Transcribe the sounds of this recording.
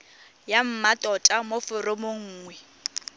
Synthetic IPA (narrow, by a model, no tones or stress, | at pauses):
jam̩matʼɔtʼamofʊrɪmʊŋ̩ːŋwɛ